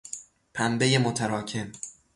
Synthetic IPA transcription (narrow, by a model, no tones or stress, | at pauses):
pʰæmbe̞jemot̪ʰæɾɒːcʰe̞m